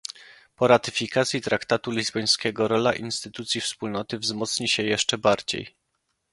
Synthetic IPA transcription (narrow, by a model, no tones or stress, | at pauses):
pɔɾat̪ɘ̥fʲikat̪sʲjit̪ɾakt̪at̪ulʲizbɔj̃skʲɛɡɔɾɔla̰ʔinst̪ɘt̪ut̪sʲjifspulnɔt̪ɘvzmɔt̪sɲiɕɛjɛʂt͡ʂɛbaɾd͡ʑḛj